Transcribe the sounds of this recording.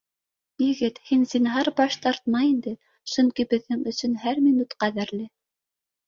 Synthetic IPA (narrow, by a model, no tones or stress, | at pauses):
jɘ̆ɡɘt̪hinsinɦɑɾbɑʃt̪ɑɾt̪̚mɑjind̪ɘ | ʃɵ̆ŋkibɘ̆ðːɘŋɵ̆sɵ̆nɦæɾminut̪qæðæɾlɘ